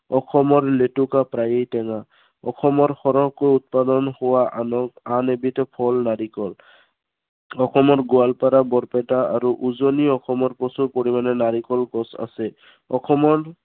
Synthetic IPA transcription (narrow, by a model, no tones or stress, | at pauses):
ɔxʰɔmɔɹletukapɹajejtɛŋa | ɔxʰɔmɔɹxɔɹɔɦkojut̪̚padɔnhʊwaanebitɔpʰɔlnaɹikɔl | ɔxʰɔmɔɹɡualpaɾabɔɹpɛtaaɹuʔuzoniɔxʰɔmɔɹpɔsupoɹimanɛnaɹikɔlkɔsa̰sɛ | ɔxɔmɔɹ